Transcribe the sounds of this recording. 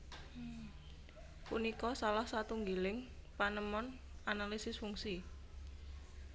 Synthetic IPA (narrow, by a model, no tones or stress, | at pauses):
punikɔsalahsat̪uŋɡilɪŋpanəmɔn | analisɪsfuŋsi